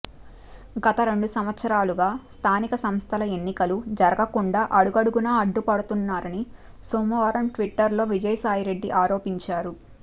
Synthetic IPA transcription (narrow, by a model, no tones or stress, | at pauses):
ɡɐt̪ɐɾe̞ɳɖusɐmʋɐt̪sɐɾaːluɡaːst̪ʰaːnikɐsɐmst̪ʰɐlɐe̞nːikɐlud͡ʒɐɾɐɡɐkuɳɖaːʔɐɽuɡɐɽuɡunaːɐɖːupɐɽut̪unːaːɾɐni | soːmɐʋaːɾɐmʈʋiʈːɐɾlo̞ːʋid͡ʒɐjsaːjiɾe̞ɖːiʔaːɾo̞ːpiɲt͡ʃaːɾu